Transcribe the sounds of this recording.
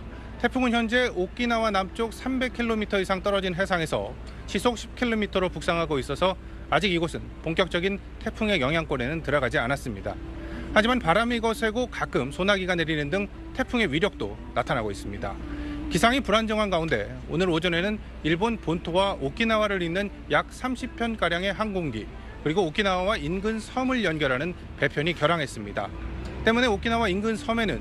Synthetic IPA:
tʰe̞pʰuŋɯnçjʌnd͡ʑe̞ok͈inawanamt͡ɕ͈ok̚sʰambe̞kʰiɭːomitʰʌisʰaŋt͈ʌɾʌd͡ʑinɦe̞sʰaŋe̞sʰʌ̰ | ɕʰisʰok̚ɕʰi̥p̚kʰiɭːomitʰʌɾopuk̚s͈aŋɦaɡois͈ʌsʰʌ | ad͡ʑiɡiɡosʰɯnpoŋk͈jʌk̚t͡ɕ͈ʌɡin | tʰe̞pʰuŋe̞jʌŋɦjaŋk͈ʌɾe̞nɯntɯɾʌɡad͡ʑianas͈ɯmɲida̰had͡ʑimanpaɾamiɡʌsʰe̞ɡokak͈ɯmsʰonaɡiɡane̞ɾinɯndɯŋ | tʰe̞pʰuŋe̞wɥiɾjʌk̚t͈o̰ | natʰanaɡois͈ɯmɲida̰kisʰaŋipuɾand͡ʑʌŋɦanɡaunde̞̰ | o̰nɯɾod͡ʑʌne̞nɯn | iɭbonpontʰowaʔok͈ʰinawaɾɯɾinːɯn | jak̚s͈ʰamɕʰipʰjʌnk͈aɾjaŋe̞ɦaŋɡoŋɡḭ | kɯɾiɡoːk͈ʰinawawainɡɯnsʰʌmɯɭjʌnɡjʌɾɦanɯn | pe̞pʰjʌɲikjʌɾaŋɦe̞s͈ɯmɲida̰t͈e̞mune̞ok͈ʰinawainɡɯnsʰʌme̞nɯn

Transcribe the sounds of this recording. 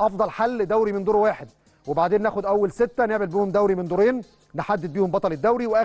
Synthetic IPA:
ʔɑfd̪ˤɑlħalːd̪æwɾimɪnd̪uːɾwaːħed̪̚ | webaʕd̪eːnːæːxod̪ʔæwːælset̪ːæneʕmelbiːhomd̪æwɾimend̪uːɾeːnː | eħad̪ːed̪̚biːhombɑt̪ˤɑled̪ːæwɾiweʔæː

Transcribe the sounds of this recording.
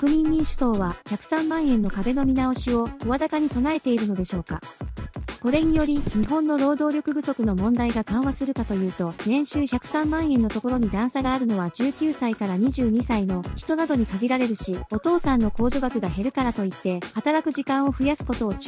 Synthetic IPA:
kɯ̟mʲĩɲːʲĩɰ̃ɕɨ̥so̞ːβaçakɯ̟̥sãmːãɰ̃ẽ̞nːo̞kabe̞no̞mʲinao̞ɕio̞oβazakaɲ̟it̪o̞nae̞t̪e̞iɾɯ̟no̞d̪e̞ɕo̞ːka̰ | ko̞ɾe̞ɲ̟ijo̞ɾʲiɲ̟iɦõ̞nːo̞ɾo̞ːd̪o̞ːɾʲjo̞kɯ̟bɯ̟so̞kɯ̟no̞mõ̞nd̪aiɡakãɰ̃βasɨɾɯ̟kat̪o̞jɯ̟ːt̪o̞nẽ̞ɰ̃ɕɨːçʲakɯ̟̥sãmːãɰ̃ẽ̞nːo̞t̪o̞ko̞ɾo̞ɲ̟id̪ãɰ̃saɡaːɾɯ̟no̞βad͡ʑɨːkʲɨːsaikaɾaɲ̟iʑɨːɲ̟isaino̞çi̥t̪o̞nad̪o̞ɲ̟ikaɡʲiɾaɾe̞ɾɯ̟ɕio̞t̪o̞ːsãnːo̞ko̞ːʑoɡakɯ̟ɡaɦe̞ɾɯ̟kaɾat̪o̞it̪ːe̞hat̪aɾakɯ̟ʑikãɰ̃o̞ɸɯ̟jasɨ̥ko̞t̪o̞ː

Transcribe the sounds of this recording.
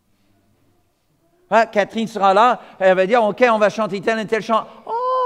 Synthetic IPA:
ɛkat̪χinsəʁalaeɛlvad̪iʁokʲeɔ̃vaʃɑ̃t̪et̪ɛlɛ̃t̪ɛlʃɑ̃ɔ

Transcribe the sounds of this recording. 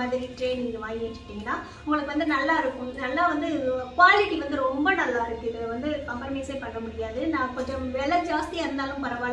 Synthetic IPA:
aːðɪɾiʈɾeːniːŋɡɐʋaːjɪʋɛt͡ʃːɯ̥ʈːiːŋɡɐɭaː | ʊŋɡɐɭɯkːɯʋɐnd̪ɯnɐlːaːɪɾɯkːʊ̃nɐlːaːʋɐnd̪ɯkʋaːlɪʈiʋɐnd̪ɯɾɔmbɐnɐlːaːɪɾɯkːɯɪðɯʋɐnd̪ɯkɐmfɐɾmɐɪseːpɐɳːɐmʊɽɪjaːðɯnãːkɔɲd͡ʒɐ̃ʋɛɭɐd͡ʒaːst̪iaɪɾɯnd̪aːlɯ̃mpɐɾɐʋaː

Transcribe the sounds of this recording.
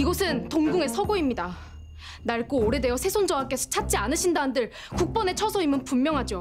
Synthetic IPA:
iɡʌsʰɯntoŋɡuŋe̞sʰʌɡoimɲida | naɭk͈ooɾe̞de̞jʌsʰe̞sʰond͡ʑʌwak͈e̞sʰʌ̥t͡ɕʰat̚t͡ɕ͈ianɯɕʰindaɯndɯɭ | kuk̚p͈ʌne̞t͡ɕʰʌsʰʌimɯnpummːjʌŋɦad͡ʑo

